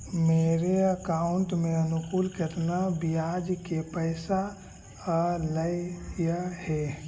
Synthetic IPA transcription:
meːɾeəkaʊɳʈmẽənʊkuːlket̪nabijad͡ʒkepəɪsa | ləjjəhe

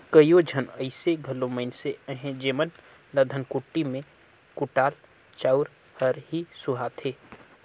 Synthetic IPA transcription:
kəjod͡ʒʱənəɪseɡʱəloməɪnseəɦẽd͡ʒeːmən | ləd̪ʱənkuʈːimẽ | kuʈaːl | t͡ʃaːʊɾ | həɾɦisʊɦat̪ʰeː

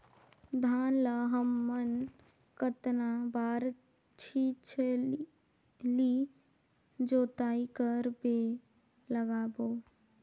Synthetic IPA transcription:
d̪ʱaːnləɦəmːən | kət̪nabaːɾ | t͡ʃʰit͡ʃʰ | li | d͡ʒoːt̪aːikəɾbe | ləɡaːboː

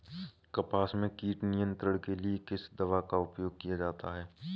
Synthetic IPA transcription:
kɐpaːsmẽkiːʈnɪjə̃nt̪ɾəɽ̃keliekɪsd̪ɐʋakaʊpjoːɡ̚kijad͡ʒaːt̪aɦɛː

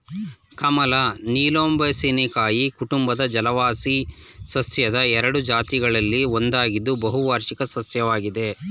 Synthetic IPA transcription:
kɐmɐlɐniːloːmbɐjsenikaːjikuʈumbɐd̪ɐd͡ʒɐlɐʋaːsi | sɐsjɐd̪ɐɛɾɐɽud͡ʒaːt̪iɡɐɭɐlːiond̪aːɡid̪ːubɐɦuʋaːɾʃikɐsɐsjɐʋaːɡid̪e̞

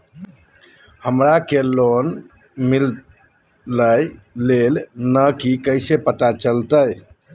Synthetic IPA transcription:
həmɾakelon | mil | ləjlelnəkikəɪsepət̪at͡ʃəlt̪əj

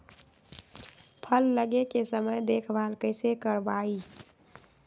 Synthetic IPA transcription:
pʰəlːəɡekesəməjd̪eːkʰbaːlkəɪsekəɾbaːi

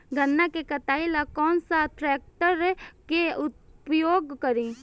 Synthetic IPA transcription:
ɡʱənːakekət̪aːɪlakɔːnsaʈɾɛːk̚ʈəɾkeʊpjoːɡkəɾĩ

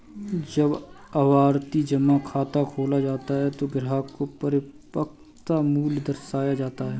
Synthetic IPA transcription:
d͡ʒəbɐwaːɾt̪id͡ʒəmakʰaːt̪akʰoːlad͡ʒaːt̪aɦɛt̪oɡɪɾɦakopəɾɪpək̚ | t̪amuːld̪ɐɾsaːjad͡ʒaːt̪aɦɛː

